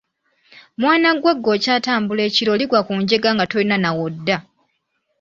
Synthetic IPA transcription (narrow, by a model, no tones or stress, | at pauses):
mwaːnaɡweɡːo̞caːtaːmbule̞ːciɾo̞liɡwakuːɲɟe̞ɡaŋɡatolinanawodːa